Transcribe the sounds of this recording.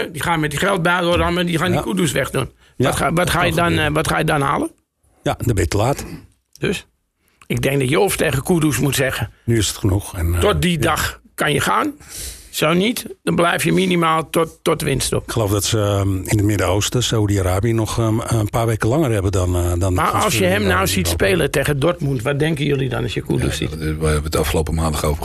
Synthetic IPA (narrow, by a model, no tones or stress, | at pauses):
dixaːmɛtixɛlˠt̚baːodanmadixaːndikudusʋɛxdun | tʋɔtxaːjədɔnʋɔtxaːjədɔnha̰ːlˠə | jadəbɪtəlaːt | d̥øs | ɪɡ̚dɛŋk̚dɔtjəofteːɣəkʰudusmutsɛɣənyɪsətxənuxɛntɔt̚didaxkanjəxaːnsoːnitd̥ɔnblɛjfjəminimaːlˠtɔɔtʋɪnsto̰pɪkχəloːfdɔtsəɪnətmɪdəowstəsawdiaɾaːbiənɔxənpaːɹʋejkəlˠɑŋərhɛbədɔndɔnmaɔ̰lˠsjəɦɛmnawsitspeːlˠəteːɣədɔɹtmuntʋɔt̚dɛŋkəjølˠidɔ̰nɔsjəkṵdṵsḭtʋaɛətɑfχəlowpəmãːndaxovə